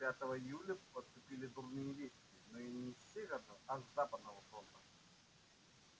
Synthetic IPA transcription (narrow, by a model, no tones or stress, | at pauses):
pʲat̪əvəɪjulʲəpəst̪ʊpʲilʲɪd̪urnɨjəvʲesʲkʲɪnoinʲɪfsʲeɣərnɔɐzzapəd̪nəvəfɾond̪ə